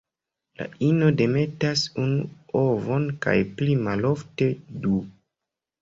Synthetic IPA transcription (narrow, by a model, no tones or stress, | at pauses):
la̰ino̞de̞me̞tasunuovo̞nka̰jplimalo̞fte̞du